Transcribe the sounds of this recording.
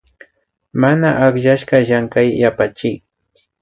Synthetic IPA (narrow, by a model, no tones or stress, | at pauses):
manaʔaχʎaʃɢɑʒaŋkajːapat͡ʃɪj